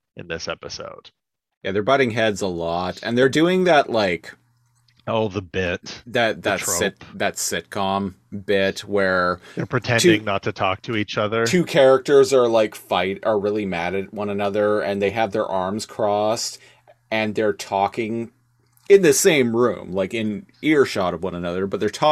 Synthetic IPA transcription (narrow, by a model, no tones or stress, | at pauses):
ʔɨ̰̃nðɪsɛpəso̰ʊd̥ | jæðə˞bʌɾɪ̃ŋɦɛdzəlɔtɨ̰̃nðə˞dʉɪ̃ŋðɨtlaɪk | oʊðəbɪtðɨt̪̚ðɨtɪt̚ðɨtsɪt̚kʰɑ̃mbɪtwə˞ðə˞pʰɹ̥ɨtʰɛ̃ntʰdɪ̃ŋnətʰɨtʰɔ̰k̚tʰɨit͡ʃʌðə˞tʰʉkʰɛɹɨk̚tə˞zə˞laɪkfaɪɾə˞ɹɪlˠimæɾɨt̚wʌ̃nɨnʌðə˞ɨ̃nðeɪɨvðə˞ʔɑɹmz̥kʰɹ̥ɔst | ɨ̃nðə˞tʰɔkɪ̃ŋ | ɪ̃nðɨsẽɪ̃mɹʉ̰̃mlaɪkɨ̃nɪɹʃɑɾʌvwʌ̃nənʌðə˞bʌt̪̚ðə˞tʰɔ